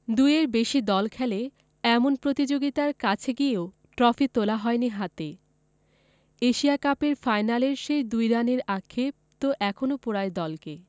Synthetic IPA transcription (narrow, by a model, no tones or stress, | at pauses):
d̪ujeɾbeʃid̪ɔlkʰɛle | ɛmonpɾot̪id͡ʑoɡit̪aɾkat͡ɕʰeɡieo | ʈɾɔfit̪olaɦɔeniɦat̪e | eʃiakapeɾfajnaleɾʃejd̪ujɾaneɾakʰːep̚t̪oʔɛkʰonopoɾaed̪ɔlke